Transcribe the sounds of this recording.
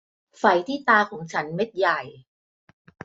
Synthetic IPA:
fa˨˩jt̪ʰiː˥˩t̪aː˧kʰɔː˩˦ŋt͡ɕʰa˦˥nme˦˥t̪̚ja˨˩j

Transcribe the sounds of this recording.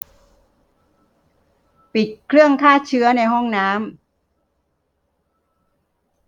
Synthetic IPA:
pi˨˩t̪̚kʰɾɯ˥˩əŋkʰaː˥˩t͡ɕʰɯ˦˥ɐna˧jɦɔ˥˩ŋnaː˦˥m

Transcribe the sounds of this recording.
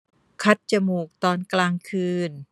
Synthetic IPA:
kʰa˦˥t̪̚t͡ɕa˧muː˨˩k̚t̪ɔː˧nklaː˧ŋkʰɯː˧n

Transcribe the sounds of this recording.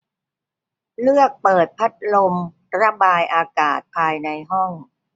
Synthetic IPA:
lɯ˥˩ək̚pɤː˨˩t̪̚pʰa˦˥t̪̚lo˧m | ɾa˧baː˧jʔaː˧kaː˨˩t̪̚pʰaː˧jna˧jɦɔ˥˩ŋ

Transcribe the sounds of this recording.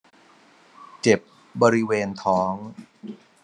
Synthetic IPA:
t͡ɕe˨˩p̚ | bɔː˧ɾi˦˥weː˧nt̪ʰɔː˦˥ŋ

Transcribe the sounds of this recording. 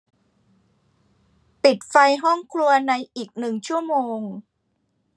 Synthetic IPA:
pi˨˩t̪̚fa˧jɦɔ˥˩ŋkʰɾu˧ɐna˧jʔiː˨˩k̚nɯ˨˩ŋt͡ɕʰu˥˩əmoː˧ŋ

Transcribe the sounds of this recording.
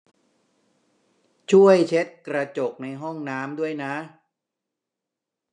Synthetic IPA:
t͡ɕʰu˥˩əjt͡ɕʰe˦˥t̪̚kɾa˧t͡ɕo˨˩k̚na˧jɦɔ˥˩ŋnaː˦˥mdu˥˩əjna˦˥ʔ

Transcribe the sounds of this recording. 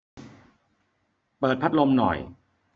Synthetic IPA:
pɤː˨˩t̪̚pʰa˦˥t̪̚lo˧mnɔ̰˨˩j

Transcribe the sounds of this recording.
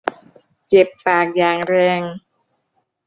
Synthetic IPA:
t͡ɕe˨˩pːaː˨˩k̚jaː˨˩ŋɾɛː˧ŋ

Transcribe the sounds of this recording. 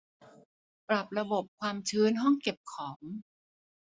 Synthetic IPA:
pɾa˨˩p̚ɾa˧bo˨˩p̚kʰwaː˧mt͡ɕʰɯː˧˦˥nɦɔ˥˩ŋke˨˩p̚kʰɔː˩˦m

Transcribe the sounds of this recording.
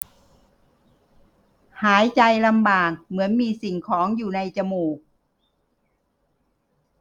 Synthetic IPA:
haː˨˩˦jt͡ɕa˧jla˧mbaː˨˩k̚mɯ˩˦ənmiː˧si˨˩ŋkʰɔː˩˦ŋjuː˨˩na˧jt͡ɕa˧moː˨˩k̚

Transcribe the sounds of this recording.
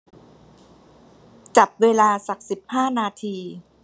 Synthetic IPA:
t͡ɕa˨˩p̚weː˧laː˧sa˨˩k̚si˨˩p̚haː˥˩naː˧t̪ʰiː˧

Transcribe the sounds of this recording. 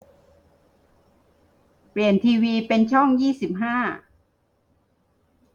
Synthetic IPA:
pli˨˩ənt̪ʰiː˧wiː˧pe˧nt͡ɕʰɔ˥˩ŋjiː˥˩si˨˩p̚ɦaː˥˩

